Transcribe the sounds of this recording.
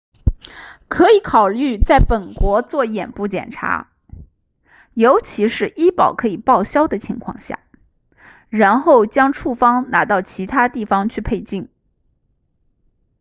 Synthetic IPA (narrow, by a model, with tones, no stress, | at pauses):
kʰɤ˧˥i˧˥kʰɑ˨˩ʊly˥˧t͡sa˥˩ɪpə˨˩nkwɔ˧˥t͡swɔ˥˩jɛ˨˩npu˥˩t͡ɕjɛ̰˨˩nʈ͡ʂʰa̰˧˥ | jo˧˥ʊt͡ɕʰi˧˥ʂɻ̩˥˩ʔi˥pɑ˨˩ʊkʰɤ˧˥i˨˩pɑ˥˩ʊɕjɑ˥ʊd̪ə˨t͡ɕʰi˧˥ŋkʰwɑ̰˥˧ŋɕja̰˥˩ | ɻa˧˥nxo˥˩ʊt͡ɕjɑ˥ŋʈ͡ʂʰu˥˩fɑ˥ŋna˧˥t̪ɑ˥˩ʊt͡ɕʰi˧˥t̪ʰa˥t̪i˥˩fɑ˧ŋt͡ɕʰy˥˧pʰe˥˧ɪt͡ɕi˥˩n